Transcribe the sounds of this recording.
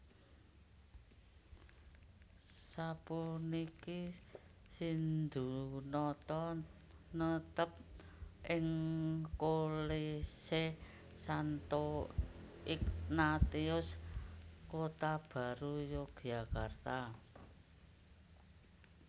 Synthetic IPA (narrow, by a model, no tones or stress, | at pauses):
sapuniki | sind̪unɔt̪ɔ | nət̪əp̚ʔɪŋkolese | sant̪o | ɪk̚nat̪iʊs | kot̪ab̥a̤ɾujoɡ̥jakart̪a